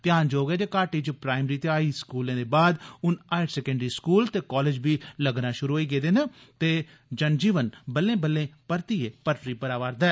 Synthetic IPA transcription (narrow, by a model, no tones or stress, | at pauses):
pɪjaːnd͡ʒoːɡɛːd͡ʒ̪eːkaːʈiːd͡ʒoːpɾaːɪmɾiːt̪eaːiːskuːlẽːd̪eːbaːd̪ʊnaːɪɖsɛːkə̃ɳɖɾiːskuːlt̪eːkɔːleːd͡ʒbiːləɡnãːʃʊɾuːɦoiːɡeːd̪eːnaːt̪eː | d͡ʒənd͡ʒiːʋənbəlːẽːbəlːẽːpəɾt̪iːeːpəɾʈɾiːpəɾaːʋaːɾd̪aɛː